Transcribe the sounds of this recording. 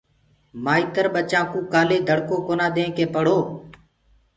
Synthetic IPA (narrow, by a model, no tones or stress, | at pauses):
maːiːt̪əɾɓət͡ʃãːkũːkaːleːd̪ʱəɽkoːkoːnãːɗ̪ẽːkeːpəɽ̤oː